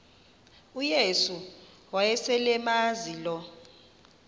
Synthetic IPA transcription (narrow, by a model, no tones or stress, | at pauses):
ujesu | wajɛsɛlɛmazilɔ